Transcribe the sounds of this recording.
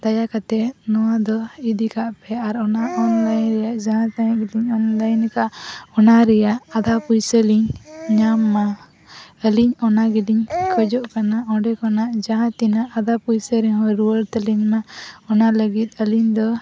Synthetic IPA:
d̪̥ajakat̪ɛnɔwad̪ɔid̪ikaʔpɛaɾɔnaʔɔnlajnɾɛjaʔd͡ʒaɦãt̪ajãʔɡɛdiɲɔnlajnkaʔɔnaɾɛjaʔad̪ʱapujsəliɲɲamːa | əliɲɔnaɡidiɲkʰəd͡ʒɔʔkanaɔ̃ɖɛkɔnaʔd͡ʒaɦãt̪inaʔːd̪ʱapujsəɾiɲɦɔ̃ɾuwəɾt̪ɛliɲmaɔnaləɡit̪̚ˀəliɲd̪ɔ

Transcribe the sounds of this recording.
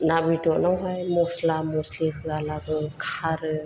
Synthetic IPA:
nabitɔʔnawɦajmɔslamɔsliɦɯalaɡɔkʰaɾɯ

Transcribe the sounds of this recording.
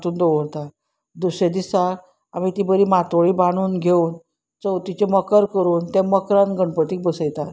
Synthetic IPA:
t̪uːnd̪oʋəɾt̪a | d̪used̪isaɾ | a̰mit̪ibəɾiːmat̪ʋəɭibaɽ̃uːnɡʱeuːn | t͡sət̪it͡ɕeməkəɾkəɾuːnt̪ɛ̃məkɾãnɡʱəɳpət̪iːk̚bəsəjt̪at̪

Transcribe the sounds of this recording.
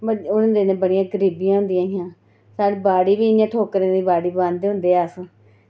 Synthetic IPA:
bəʊnãːd̪eːnẽːbəɽɪjãːɡəɾiːbijãːɦʊ̃nd̪ijãːɦɪjãː | saːɽebaːɽiːbiːjãːʈʰoːkəɾẽːniːbaːɽiːbãːnd̪eːɦʊ̃nd̪eːaːs

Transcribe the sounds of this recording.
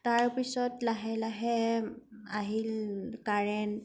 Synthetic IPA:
taɹpisɔtlaɦɛlaɦɛ | aɦilkaɹɛn

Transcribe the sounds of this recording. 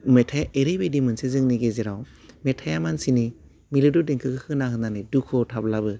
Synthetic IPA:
metʰajaʔeɾebedimɯnsezɯŋniɡezeɾaw | metʰajamansini | milɯdudeŋkʰɯkʰɯkʰɯnaɦɯnanidukʰɔtʰablabɯ

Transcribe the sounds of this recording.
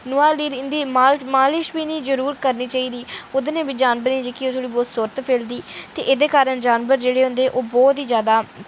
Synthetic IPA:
nʊaːliːd̪iːmaːmaːlɪʃbiːniːd͡ʒəɾuːɾkəɾniːt͡ʃaːiːd̪iːʊd̪nẽːbiːd͡ʒaːnbəɾniːd͡ʒekioːt̪ʰoːɽiːbɔːt̪səɾət̪pʰeːld̪iːt̪eːʔɪd̪eːkaːɾəɳd͡ʒaːnbəɾd͡ʒeːɽeːɦʊ̃nd̪eːʔoːbɔːt̪iːd͡ʒjaːd̪aː

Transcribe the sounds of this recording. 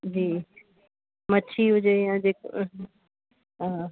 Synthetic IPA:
d͡ʑiː | mɐt͡ɕʰiɦʊd͡ʑejãːd͡ʑek | ɦãː

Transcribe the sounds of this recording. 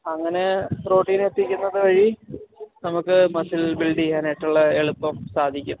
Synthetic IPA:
ɐŋːɐne̞pro̞ːʈːiːne̞t̪ːikʲːunːɐðɨʋɐɻi | nɐmukːɨmɐsilbilɖiaːnɐjiʈːuɭːɐeɭupːɐmsaːd̪ʱikʲːum

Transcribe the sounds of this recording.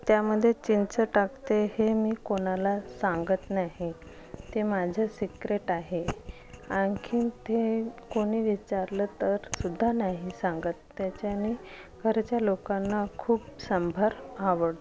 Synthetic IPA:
t̪jaməd̪ʱːjet͡ɕint͡səʈakt̪ehemiːkoɽ̃alasãŋɡət̪naɦi | t̪emad͡ʑʱasikɾeʈaɦe | aŋkʰiːnt̪ekoɽ̃iːʋit͡ɕaɾlət̪əɾsud̪ʱːanaɦisãŋɡət̪ːjat͡ɕjaniː | ɡʱəɾt͡ɕjalokanːakʰuːpsəmbʱaɾaʋəɽ

